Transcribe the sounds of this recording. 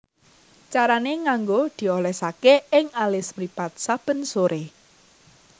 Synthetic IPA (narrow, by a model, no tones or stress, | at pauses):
t͡ʃaɾaneŋaŋɡod̪̥i̤olɛsakeɪŋalɪsmɾipat̪̚sab̥ə̤nsoɾe